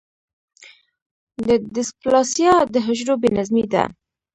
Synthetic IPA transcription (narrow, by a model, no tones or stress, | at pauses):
d̪əd̪ɪsplɑsjɑd̪əɦɪʒɾobenazmid̪a̰